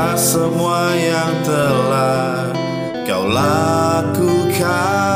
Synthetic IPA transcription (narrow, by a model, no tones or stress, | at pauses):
asəmuajaŋt̪əla | kawlakukʰa